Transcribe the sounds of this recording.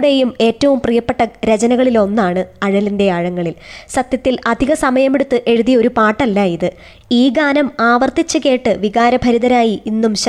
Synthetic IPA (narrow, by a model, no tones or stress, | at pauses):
ɽe̞jume̞ːtːɐʋumprijɐpːe̞ʈːɐɾed͡ʑɐnɐɣɐɭilo̞nːaːɳɨɐɻɐlinde̞aːɻɐŋːɐɭilsɐt̪jɐt̪ːilɐd̪ʱiɣɐsɐmɐjɐmeɽut̪ːɨʔe̞ɻuðijɐo̞ɾupaːʈːɐlːaiðɨ | iːɡaːnɐmaːʋɐrt̪it͡ɕːɨɣe̞ːʈːɨʋiɣaːɾɐbʱɐɾiðɐɾaːjiʔinːumɕ